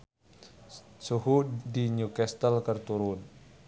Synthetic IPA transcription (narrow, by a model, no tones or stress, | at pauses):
suɦudiɲukɛst̪əlkərt̪uɾun